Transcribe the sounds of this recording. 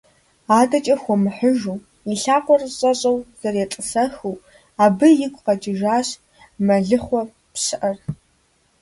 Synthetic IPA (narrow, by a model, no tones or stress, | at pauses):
aːdɐt͡ʃʼɐxʷɔmɨħəʒuː | iɬaːqʷʼɔrɕʼɐɕʼɐwz̥ɐrjɛtʼɨsɐxɨw | aːbɨjɪkʷʼqɐd͡ʒʼɪʒaːɕ | mɐɮɨχʷɔ | pɕɨʔɐr